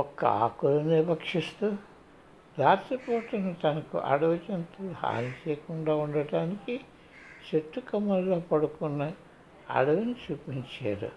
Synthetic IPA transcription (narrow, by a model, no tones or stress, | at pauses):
ɔkːɐ̰a̰ːkulɐnebɐkʂist̪u | ɾaːt̪ɾɐpɔːʈɐnut̪ɐnɐkṵʔɐ̰ɽɐʋɐt͡ʃent̪ulha̰ːlit͡ʃeːjkuɳɖaːuɳɖɐɖaːniki | t͡ʃeʈ̪ːukɐmːɐlːoːpɐɽukunːɐ | ɐ̰ɽɐʋɐnit͡ʃuːpiɲt͡ʃa̰ːɾṵ